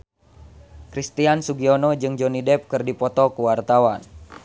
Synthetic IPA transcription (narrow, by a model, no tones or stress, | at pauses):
kɾist̪iansuɡiɔnɔd͡ʒɨŋd͡ʒɔnidɛp̚kɨrdipɔt̪ɔkuwart̪awan